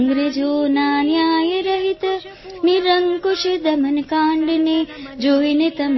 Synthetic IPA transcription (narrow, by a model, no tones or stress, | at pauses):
ŋɡɾed͡ʒoːnaːnjaːjɐɾɐɦit̪ɐ | niɾɐŋkuʃid̪ɐmɐnkaːɳɖned͡ʒoːinet̪ɐm